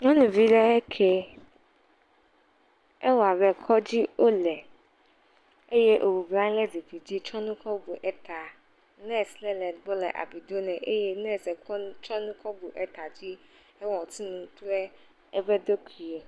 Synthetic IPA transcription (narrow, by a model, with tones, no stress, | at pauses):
ŋɔ̃˦nũ˨vi˦ɖɛ˦ɛ˦kʰe˦ | ɛ˦wa˨βɛ˨kʰɔ˦d͡ʑi˦ʔo˦lɛ˨ | e˦je˦ʔo˨wu˨blã˦ŋ˦lɛ˦zi˨fi˨d͡ʑi˦t͡ʃɔ̃˦nũ˦kʰɔ˦bu˨ʔɛ˦t̪ʰa˨ | nɛ˦slɛ˦lɛ̃˨tbo˦lɛ̰˨ʔa̰˨bi˨d̪o˦nɛ̃˨ʔe˦je˦nɛ˦˨sɛ˨kt͡ʃɔ̃˦nũ˦kɔ˦bu˨ʔɛ˦t̪a˨d͡ʑi˦ | e˦wɔ̃˨t̪i˦nũ˨t̪ɾɛ˦ | ɛ˦bɛ˦d̪o˦kʰi˨e˨